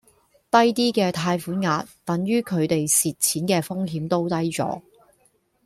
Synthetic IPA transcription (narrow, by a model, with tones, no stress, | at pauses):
t̪ɐ˥jt̪iː˥kɛː˧t̪ʰaː˧jfuː˨˥nŋaː˧t̚t̪ɐ˨˥ŋjyː˥kʰɵ˨˧ɥt̪e˨jsiː˨t̚t͡sʰiː˨˥nkɛː˧fʊ˥ŋɦiː˨˥mt̪o˥wt̪ɐ˥jt͡sɔ̰ː˨˥